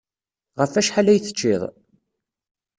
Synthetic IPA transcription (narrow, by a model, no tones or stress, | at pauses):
ʁəfæʃħalæjθə̥t͡ʃːiðˤ